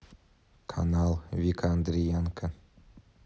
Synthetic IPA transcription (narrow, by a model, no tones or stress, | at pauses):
kʰa̰nalˠvʲikʰand̪ɾʲijaŋkʰə